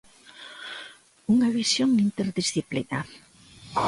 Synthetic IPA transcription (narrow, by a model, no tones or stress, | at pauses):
uŋaβisjoŋint̪eɾðisθiplina